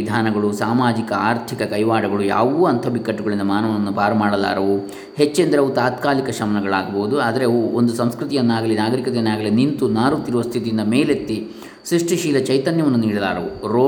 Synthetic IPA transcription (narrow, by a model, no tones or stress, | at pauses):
id̪ʱaːnɐɡɐɭusaːmaːd͡ʒikɐaːɾt̪ʰikɐkɐjʋaːɖɐɡɐɭuja̰ːʋuɐnt̪ʰɐbikːɐʈːuɡɐɭind̪ɐmaːnɐʋɐʋɐnːupaːɾɐmaːɽɐla̰ːɾɐʋu | het͡ʃːend̪ɐɾeut̪aːt̪kaːlikɐʃɐmɐnɐɡɐɭaːɡɐboːud̪uaːd̪ɐɾe̞ond̪usɐmskɾut̪ijɐnːaːɡɐlenaːɡɐɾikɐt̪enːaːɡɐlenint̪unaːɾut̪iɾuʋɐst̪ʰit̪ijind̪ɐmeːlet̪ːi | sɾiʂʈiʃiːlɐt͡ʃɐjt̪ɐnjɐʋɐnːuniːɽɐla̰ːɾɐuɾoː